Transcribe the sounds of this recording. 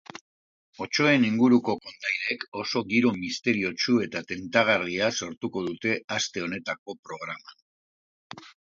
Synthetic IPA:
o̞t͡ʃo̞e̞niŋɡuɾuko̞ko̞nd̪ajɾe̞ko̞so̞ɣiɾo̞mist̪e̞ɾio̞t͡ʃue̞t̪at̪e̞nt̪aɣ̞ariaso̞ɾt̪uko̞ðut̪e̞ast̪e̞o̞ne̞t̪ak̚o̞pɾo̞ɣɾaman

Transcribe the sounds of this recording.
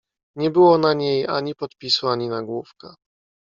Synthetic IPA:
ɲɛbɘwɔnaɲeja̰ɲipɔt̪pʲisuaɲinaɡwufka

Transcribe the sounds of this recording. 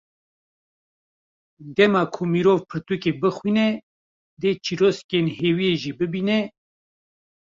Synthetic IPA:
d̪ɛmɑːkʰumiːɾoːvpʰɨɾt̪ukebɨxwinɛ | d̪eːt͡ʃʰiɾoːskenheːwijeʒibɨbiːnɛ

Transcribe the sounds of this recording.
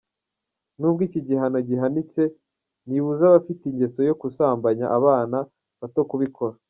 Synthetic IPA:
nub̚ɡiːciɟiɦano̞ɟiɦanit͡se̞ | niβuzaβafitiɲɟe̞so̞jo̞kusaːmbaɲa̰ʔaβaːna | βatokuβikʰo̞ɾa

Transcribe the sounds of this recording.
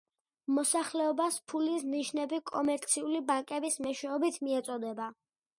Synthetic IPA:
mɔsaχlɛɔbaspʰulisniʃnɛbikʼɔmɛɾt̪sʰiulibaŋkʼɛbismɛʃwɛɔbit̪ʰmiɛt̪sʼɔd̪ɛba

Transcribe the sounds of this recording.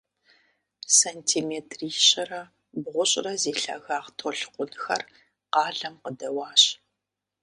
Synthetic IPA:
santʰiːmeːtʰriːɕɐrɐ | bʁʷʊɕʼrɐzeːɬɐ̰ɣaːʁtʰoɬqʷʼʊnxɐ̰r | qɑːɮɐmqədɐwɑːɕʼ

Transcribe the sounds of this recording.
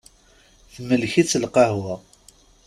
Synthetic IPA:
θməlçit͡sːəlqɑhwæ

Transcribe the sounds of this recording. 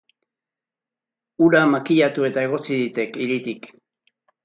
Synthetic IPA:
uɾamakiʎat̪ue̞t̪aeɣ̞o̞t͡siðit̪e̞kiɾit̪ik

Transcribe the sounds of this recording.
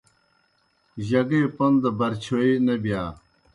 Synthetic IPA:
ʑɐɡepɐnd̪ɐbɐɾt͡ɕʰoinɐbijaː

